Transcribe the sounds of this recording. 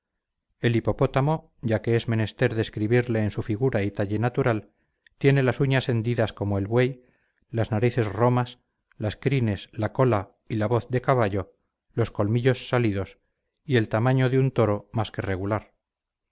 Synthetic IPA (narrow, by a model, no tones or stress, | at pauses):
e̞lipo̞po̞t̪amo̞ | ɟ͡ʝake̞e̞zmẽ̞ne̞st̪e̞ɾðe̞skɾiβiɾle̞ːnsufiɣuɾait̪aʎe̞nat̪uɾal | t̪je̞ne̞lasuɲase̞nd̪iðasko̞moe̞lβwe̞j | laznaɾiθe̞zro̞mas | laskɾine̞slako̞la | ilaβo̞θðe̞kaβaʎo̞ | lo̞sko̞lmiʎo̞sːaliðo̞s | ie̞lt̪amãɲo̞ðeunt̪o̞ɾo̞maske̞re̞ɣ̞ulaɾ